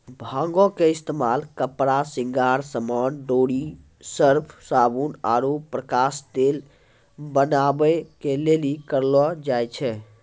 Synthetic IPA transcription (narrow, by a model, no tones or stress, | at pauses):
bʱãŋɡɔkeist̪emalkəpɾasĩŋɡaɾsəmənɖoɽi | səɾpʰsabuna̰ɾopːɾəkasd̪el | bənabɛkelelikəɾlɔd͡ʒajt͡ʃʰɛ